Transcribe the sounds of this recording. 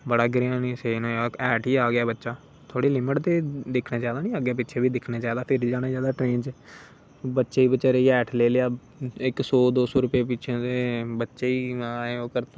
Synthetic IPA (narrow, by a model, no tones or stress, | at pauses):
bəɽaːɡɾeãniːseːnoːjaːɛːʈiːaːɡɪjaːbətːʃaː | t̪ʰoːɽiːlɪməʈt̪eːd̪ɪkʰnaːd͡ʒaːd̪aːnĩːəɡeːp̬ɪtːʃʰeːbiːd̪ɪkʰneːd͡ʒaːd̪aːpʰɪɾiːd͡ʒaːnaːd͡ʒjaːd̪aːʈɾeːnd͡ʒː | bətːʃeːiːbətːʃeːɾəiːɛːʈʰleːleːaː | ɪksoːd̪oːsoːɾʊpeːp̬ɪt͡ʃʰẽt̪eːbətːʃeːiːaːeːoːkəɾt̪ː